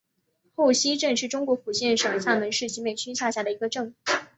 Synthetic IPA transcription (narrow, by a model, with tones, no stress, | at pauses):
xo˥˩ʊɕi˥ʈ͡ʂɤ˥˧ŋʂɻ̩˥˩ʈ͡ʂʊ˥ŋkwɔ˧˥ku˨˩ɕjɛ˥˩nʂɤ˨˩ŋɕja˥˩ŋmə˧˥nʂɻ̩˥˩t͡ɕʰi˧˥me˥˩ɪt͡ɕʰy˥ɕja˥˧ɕja˥˩d̪ə˩i˧˥ɡə˧ʈ͡ʂɤ˥˧ŋu˥˩